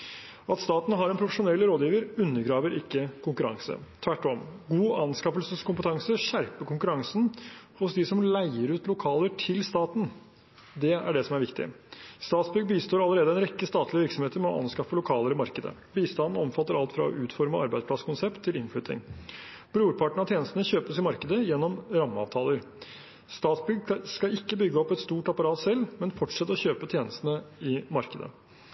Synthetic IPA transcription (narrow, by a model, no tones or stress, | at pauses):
ɑt̪st̪ɑːt̪n̩ɦɑɾɛnpʰɾʊfəʂʊnɛlːɾoːd̪jiːʋəɾʉnːəɾɡɾɑːʋəɾʔɪkːəkʰʊŋkʉɾɑ̰ŋsə̰t̪ʰʋæʈːɔmɡuːɑnskɑfəlsəskʊmpət̪ʰɑŋsəɕæɾpəkʊŋkʉɾɑŋsn̩hʊsd̪ɪsɔmlæɪəɾʉːt̪lʊkʰɑːləʈʰɪlst̪ɑːt̪n̩ | d̪ɛæ̰ɖɛsɔmæɾʋɪkt̪ɪ̰ | st̪ɑːt̪sbʏɡbiːst̪oːɾɑlːəɾeːd̪əɛnɾɛkːəst̪ɑːt̪ʰlɪəʋɪɾksɔmheːt̪əɾmɛɔ̰ʔɑ̰nskɑfəlʊkʰɑːləɾɪmɑɾkəd̪ə̰ | biːst̪ɑnd̪n̩ɔmfɑt̪ːəɾɑlt̪fɾɑ̰ɔ̰ʔʉːt̪fɔɾməɑɾbæɪspʰlɑskʰʊnsɛpt̪ʰːɪlɪnflʏt̪ɪ̰ŋ | b̥ɾuːɾpʰɑʈɳ̩ɑt̪jeːnəst̪n̩əɕøːpəsɪmɑɾkəd̪əjɛnːɔmɾɑmːəɑ̰ːʋt̪ʰɑːləɾ | st̪ɑːt̪sbʏɡskɑɪkːəbʏɡːəɔpːɛt̪st̪uːʈɑpɑɾɑːt̪sɛlːmɛnfɔʈʂɛt̪ːəɔɕøːpət̪ʰjeːnəst̪nəɪmɑɾkəd̪ə̰